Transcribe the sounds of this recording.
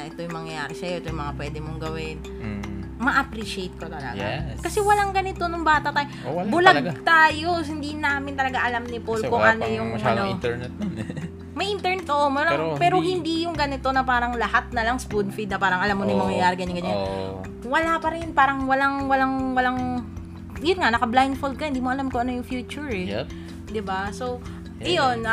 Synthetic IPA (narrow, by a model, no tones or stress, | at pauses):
ɐʔɛt̪o̞jʊŋmɐŋjɐja̰ːɾɪsɐjoɛt̪ojŋmɐŋapwɛːd̪ɪmoŋɡɐwɪn | mɐʔɐpɾiʃejt̪̚kot̪ɐlɐ̰ɡa̰kɐsɛwɐlaŋɡɐnɪt̪o̞noŋbaːt̪ɐʔt̪aːjobʊlɐɡt̪aːjo̞hɪnd̪inaːmɪnt̪ɐlɐɡaʔɐlamnɪpolkoʔɐnojʊŋʔɐno | mɐjʔɪnt̪ɛɹnɛt̪oʔomɐlɐpɛːɾoɦɪnd̪ijʊŋɡɐnɪt̪o̞nɐpaːɾɐŋlɐhat̪̚nɐlɐŋspud̪fid̪nɐpaːɾɐŋʔɐlamːonɐjmɐŋjɐjaːɾɪɡɐɲaŋɡɐɲan | wɐlapɐɾɛnpaːɾɐŋwɐlaŋwɐlaŋwɐlaŋ | jʊnŋanɐkɐblajnfold̪̚kɐhɪnd̪iːmoʔɐlamkoʔɐnojʊŋfjuːt͡ʃʊɹɛ | d̪ɪbasow | ʔɐjon